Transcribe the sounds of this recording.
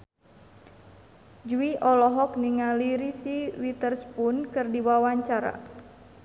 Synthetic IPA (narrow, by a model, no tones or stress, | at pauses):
d͡ʒuiʔɔlɔɦɔk̚niŋaliɾisiwit̪ərspunkɨrdiwawaɲt͡ʃaɾa̰